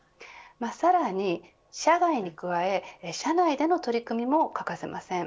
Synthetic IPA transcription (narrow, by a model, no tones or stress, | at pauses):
masaɾaɲ̟i | ɕaɡaiɲ̟ikɯ̟βae̞ɕanaid̪e̞no̞t̪o̞ɾʲikɯ̟mʲimo̞kakase̞̰mʔasẽ̞ŋ